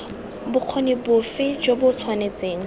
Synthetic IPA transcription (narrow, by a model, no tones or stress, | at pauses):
bʊq͡χʰonibʊfɪd͡ʒobʊt͡sʰwanet͡seːŋ̩